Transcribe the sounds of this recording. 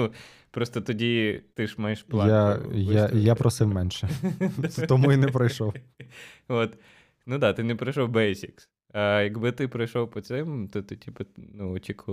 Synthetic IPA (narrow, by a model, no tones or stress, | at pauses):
nu | pɾɔst̪ɔt̪ɔdʲit̪ɪʃmɑjɪʃplˠɑajajapɾɔsɪmmɛnʃɛ | t̪ɔmuinɛpɾɐjʃɔw | ot̪ | nud̪ɑt̪ɪnɛpɾɐjʃɔwbɛsʲiks | ɐjɐɡbɪt̪ɪpɾɐjʃɔwpɔt̪sɪmt̪ɔt̪ɪtʲipɐnuɔt͡ʃʲikʊ